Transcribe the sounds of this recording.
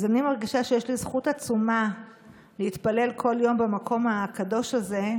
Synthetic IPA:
zanimaʁɡiʃaʃejeʃlizχutat͡suma | leit̪pale̞lkʰo̞ljo̞mbamakʰo̞makado̞ʃaze

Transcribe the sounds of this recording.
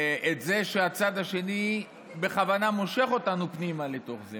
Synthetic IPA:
ʔetze̞ʃeat͡sad̪aʃe̞ni | beχavanamo̞ʃe̞χo̞tanupnimalet̪o̞χze

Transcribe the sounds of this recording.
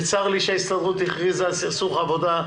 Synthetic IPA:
t͡saʁliʃeaist̪adʁut̪iχʁizasisuχavod̪a

